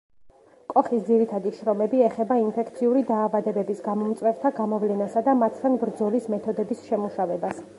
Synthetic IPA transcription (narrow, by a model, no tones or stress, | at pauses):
kʼɔχisd̪ziɾit̪ʰad̪iʃɾɔmɛbiɛχɛbainpʰɛkʰt̪sʰiuɾid̪aːvad̪ɛbɛbisɡamɔmt̪sʼwɛɾt̪ʰaɡamɔvlɛnasad̪amat̪ʰt̪ːʰanbɾd̪zɔlismɛt̪ʰɔd̪ɛbisʃɛmuʃavɛbas